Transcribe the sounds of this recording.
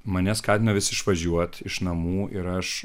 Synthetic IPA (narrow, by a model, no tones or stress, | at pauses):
mɐnʲɛskɑːt̪ʲɪnɐʋʲɪsʲɪʃʋɐʒʲuɔt̪ɪʃnɐmuːʔɪɾɐʃ